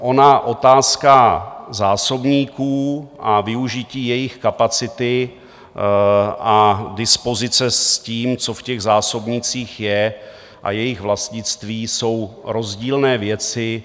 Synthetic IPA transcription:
ʔo̞naʔo̞t̪aːskazaːso̞bɲiːkuːʔavɪuʒɪciːjɛjɪxkapat͡sɪt̪ɪ | ʔadɪspo̞zɪt͡sɛsciːmt͡so̞fcɛɣzaːso̞bɲit͡siːxjɛ | ʔa̰jɛjɪɣvlast̪ɲɪt͡st̪viːso̞wɾo̞zɟiːlnɛːvjɛt͡sɪ

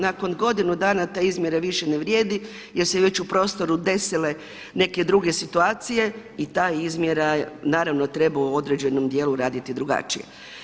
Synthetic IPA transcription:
nako̞nɡo̞d̪inud̪aːnat̪aːizmʲje̞ɾaʋiʃeneʋɾjeːd̪i | jeɾseʋe̞t͡ɕupɾo̞ːst̪o̞ɾud̪e̞sile̞ | ne̞ke̞d̪ɾuɡe̞sit̪uaːt̪sije̞ | it̪aːizmjeɾanaːɾaʋnot̪ɾe̞bauo̞d̪ɾe̞d͡ʑe̞nomd̪je̞ːluɾaːd̪it̪id̪ɾuɡa̰t͡ʃḭje̞̰

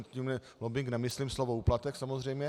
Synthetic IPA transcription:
t̪cimɛ | lobɪŋknɛmɪslimslovouːplat̪ɛksamozr̝ɛjmɲɛ

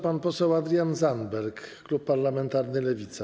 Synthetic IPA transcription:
panpɔsɛwad̪ɾijanzanbɛɾkklupːaɾlamɛnt̪aɾnɘlɛvʲit̪sa

